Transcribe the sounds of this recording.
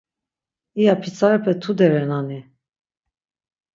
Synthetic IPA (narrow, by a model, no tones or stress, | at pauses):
ijapʰit͡sʰʼaɾɛpʰɛt̪ʰud̪ɛɾɛnani